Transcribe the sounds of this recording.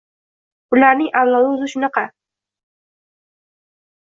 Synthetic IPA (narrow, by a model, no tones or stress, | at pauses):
bʊlaɾnɪŋʔawlɒlˠɪʊzɪʃʊnɑqʰɑ